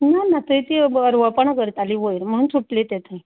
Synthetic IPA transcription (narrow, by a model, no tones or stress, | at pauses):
nanat̪əit̪iəɾʋəpəɳkəɾt̪aliʋojɾm̤əɽ̃uːnt͡sʰuʈlet̪et̪ʰəj